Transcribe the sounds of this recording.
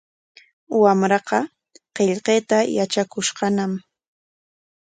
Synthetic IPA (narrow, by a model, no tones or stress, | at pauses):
wamɾɑqɑ | qeʎqeːt̪ajat͡ʃakʊʃqɑnam